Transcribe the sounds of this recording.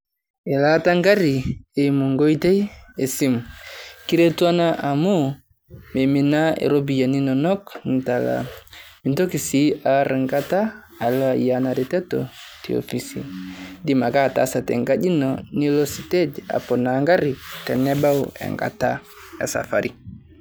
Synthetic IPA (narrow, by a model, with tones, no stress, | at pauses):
ɛ˨la˦ta˦ŋɡa˦ɾi˨e˨mu˨ŋɡo˦i˦te˦je˨si˦mki˦ɾe˦twa˦na˦ʔa˨mu˦ | me˨mi˨na˦ḛ˨ɾo˦bi˨ja˨ni˦nɔ˨nɔ˦kn̩˨ta˨la̰˨mi˨nto˦ki˨si˦a˨ɾɨ˨ŋɡa˦ta˦ | a˨lɔ˦a˨ja˦na˨ɾi˨tɛ˦tɔ̰˨ti˨o̰˨fi˨sḭ˨di˦ma˨ka˦˨ta̰˨˦sa˨tɛ̰˨ŋɡa˦d͡ʒi˦nɔ˨ni˦lo˦si˨te˦da̰˨pɔ˨na˨˦ŋɡa˦ɾi˨kɛ˨nɛ˦ba˦wɛ̰˨ŋɡa̰˨ta˦ | e˨sa̰˨fa˨ɾi˨